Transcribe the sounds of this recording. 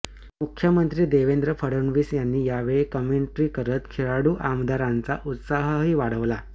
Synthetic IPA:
mukʰjəmənt̪ɾiːd̪eʋend̪ɾəfʰəɽəɳʋiːsjanːiːjaʋeɭekəmeɳʈɾiːkəɾət̪kʰeɭaɽuːʔamd̪aɾant͡sa̰ʔut̪saɦəɦiːʋaɽ̤əʋla

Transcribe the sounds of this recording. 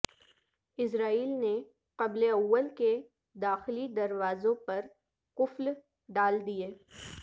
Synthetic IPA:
ɪs̬ɾaːiːlne | qɐbleɐwːəlke | d̪aːxɪlid̪ɐɾʋaːzõpɐɾ | qʊfl | ɖaːld̪ijeː

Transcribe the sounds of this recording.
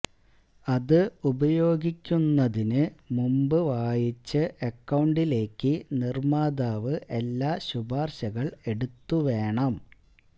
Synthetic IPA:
ɐðɨubɐjo̞ːɡikʲːunːɐðinɨmumbɨʋaːjit͡ɕːɨʔekːɐwɳɖile̞ːkːɨnirmaːd̪aːʋɨʔe̞lːaːɕubaːrɕɐɣɐɭe̞ɽut̪ːuʋe̞ːɳɐm

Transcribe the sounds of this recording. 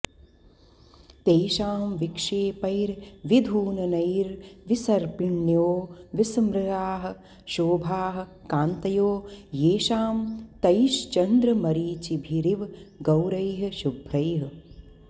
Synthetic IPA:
t̪eːʃaːmʋikʂeːpɐjɾʋid̪ʱuːnɐnɐjɾʋisɐɾpɪɳjoːʋismɾɪɾaːɦɐ̆ | ʃoːbʱaːɦɐ̆kaːnt̪ɐjoːjeːʃaːmt̪ɐjʃt͡ʃɐnd̪ɾɐmɐɾiːt͡ʃibʱiɾiʋɡɐwɾɐjɦʃubʱɾɐjɦɐ

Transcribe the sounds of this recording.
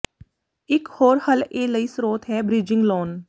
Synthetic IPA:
ɪkhoːɾhəleːləisɾoːt̪ɦɛːbɾɪd͡ʒɪ̃ŋɡloːn

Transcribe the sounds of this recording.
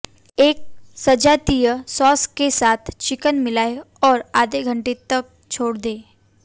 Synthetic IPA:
eːk̚sɐd͡ʒat̪ijəsɔːskesaːt̪ʰt͡ʃɪkənmɪlaːe | ɔːɾaːd̪eɡʱɐ̃ɳʈet̪ɐk̚ | t͡ʃʰoːɽd̪eː

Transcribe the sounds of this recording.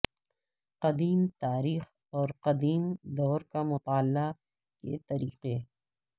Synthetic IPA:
qɐd̪iːmt̪aːɾiːx | ɔːɾqɐd̪iːmd̪ɔːɾkamʊt̪aːlːa | kḛt̪ɐɾḭːqe

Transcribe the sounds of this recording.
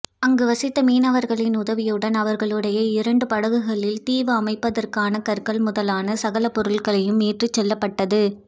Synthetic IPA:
ɐŋɡɯʋɐsɪt̪ːɐmiːnɐʋɐɾɣɐɭɪnʊðɐʋɪjɯɽɐnɐʋɐɾɣɐɭɯɽɐjɐɪɾɐɳɖɯpɐɽɐɣɯɣɐɭɪlt̪iːʋɐːmɐɪpːɐðɐrkaːnɐkɐɾkɐɭmʊðɐlaːnɐsɐɣɐlɐpɔɾɯɭɣɐɭɐjɯmeːʈrɯt͡ʃːɛlːɐpːɐʈːɐðɯ

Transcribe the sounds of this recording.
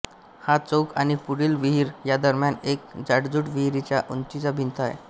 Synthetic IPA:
hat͡sowkañipuɽiːlʋiɦiɾjad̪əɾmjanek̚d͡zaɽd͡zuʈʋiɦiɾit͡ɕjaʔunt͡ɕid͡zabʱint̪aj̰

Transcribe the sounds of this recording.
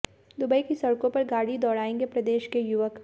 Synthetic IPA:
d̪ʊbəikisɐɽkõpɐɾɡaːɽid̪ɔːɽaːẽːŋɡepɾɐd̪eːʃkejʊʋək

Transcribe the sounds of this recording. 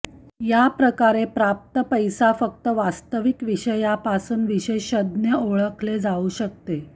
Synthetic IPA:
japɾəkaɾepɾap̚t̪əpəjsafək̚t̪əʋast̪əʋikʋiɕəjapasuːnʋiɕeɕəd̪njəoɭəkʰled͡zauɕək̚t̪e

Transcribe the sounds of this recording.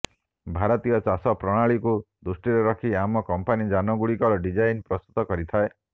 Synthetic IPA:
bʱaɾɔt̪ijɔt͡ʃasɔpɾɔɽ̃aɭikud̪usʈiɾeɾɔkʰiamɔkɔmpanid͡ʒanɔɡuɭikɔɾɔɖid͡ʒajnpɾɔst̪u̥t̪ɔkɔɾit̪ʰae

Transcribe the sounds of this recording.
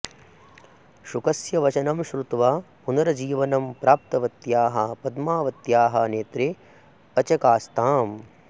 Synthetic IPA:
ʃukɐsjɐʋɐt͡ʃɐnɐmʃɾut̪ʋaːpunɐɾɐd͡ʒiːʋɐnɐmpɾʔaːp̚t̪ɐʋɐt̪jaːɦɐpɐd̪maːʋɐt̪jaːɦɐneːt̪ɾe | ɐt͡ʃɐkaːst̪ʰaːm

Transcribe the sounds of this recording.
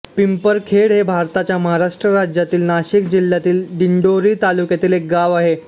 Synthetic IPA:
pimpəɾkʰeɽɦebʱaɾt̪at͡ɕjaməɦaɾaʂʈɾəɾad͡ʑjat̪iːlnaɕikd͡ʑilːjat̪iːlɖiɳɖoɾiːt̪alukjat̪iːlek̚ɡaʋaɦe

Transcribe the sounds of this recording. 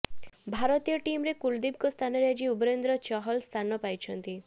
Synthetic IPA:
bʱaɾɔt̪ijɔʈimɾekuld̪ib̚kɔst̪ʰanɔɾjad͡ʒiubɾend̪ɾɔt͡ʃɔɦɔlst̪ʰanɔpajt͡ʃʰɔnt̪i

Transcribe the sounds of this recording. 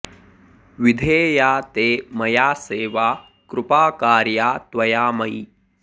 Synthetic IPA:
ʋid̪ʱeːjaːt̪eːmɐjaːseːʋaː | kɾʊpaːkaːɾjaːt̪ʋɐjaːmɐi

